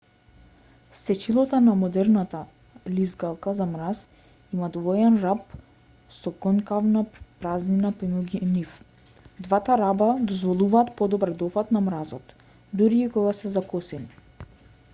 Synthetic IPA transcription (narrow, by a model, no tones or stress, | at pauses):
sɛt͡ʃilˠɔt̪anamɔd̪ɛɾnat̪a | lizɡalˠkazamɾas | imad̪vɔjɛnɾap | sɔkɔnkavnapɾazninapɛmuɡinif | d̪vat̪aɾabad̪ɔzvɔlˠuvaːt̪pɔd̪ɔbaɾd̪ɔpat̪namɾazɔt̪ | d̪uɾiːkɔɡasɛzakɔsɛni